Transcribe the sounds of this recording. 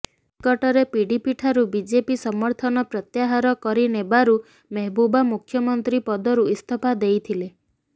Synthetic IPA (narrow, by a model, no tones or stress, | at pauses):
kɔʈɔɾepiɖipiʈʰaɾubid͡ʒepisɔmɔɾt̪ʰɔnɔpɾɔt̪jaɦaɾɔkɔɾinebaɾu | meɦbubamukʰjɔmɔnt̪ɾipɔd̪ɔɾuist̪ʰɔpad̪ejt̪ʰile